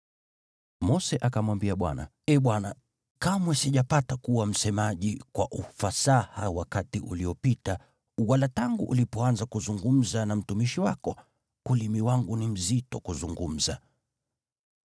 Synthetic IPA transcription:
mɔsɛʔakamwambiaɓwa̰na̰ | ɛɓwana | kamwɛsiʄapatakuwam̩sɛmaʄikwa̰ʔufasahawakatiʔṵliɔpita | walataŋɡṵʔṵlipɔanzakuzuŋɡum̩zanam̩tumiʃiwakɔ | kulimiwaŋɡunim̩zitɔkuzuŋɡum̩za

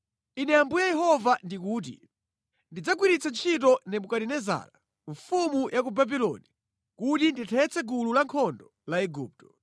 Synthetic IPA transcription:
inɛambujajɛɦɔvandikuːt̬ḭ | ndid͡zaɡ̬wiɾit͡sant͡ʃʰitɔnɛmukaɾinɛza̰ːla̰ | ɱfumujʔak̬ubabilɔ̰ni | kutinditʰɛt͡sɛɡululaŋkʰɔndɔ | laɛɡup̚tɔ

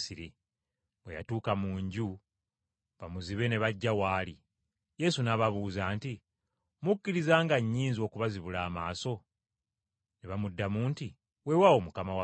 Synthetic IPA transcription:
siɾi | βwḛja̰tuːkamuːɲɟu | βamuziβe̞ne̞βaɟːawaːli | je̞sunaβaβuːzaːnti | mukːiɾizaːŋɡaɲːiːnzio̞ːkuβaziβulaːmaːso̞ | neβamudːamuːnti | we̞wawo̞mukamawa

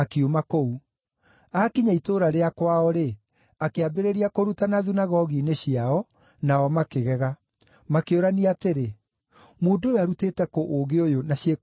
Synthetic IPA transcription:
akeomakou | aːkiɲaitoːɾaɾeakwaɔɾe | akeabeɾeɾiakoɾutanaðunaɣɔɣineɕiaɔ | naɔmakeɣɛɣa | makeoɾaniateɾe | moːndojoaɾuteːtɛkoʔoɡeojonaɕje

